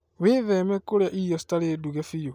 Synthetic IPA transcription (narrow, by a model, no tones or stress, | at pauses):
weðɛmɛkoɾjaʔijɔsi̥taleduɣɛfijo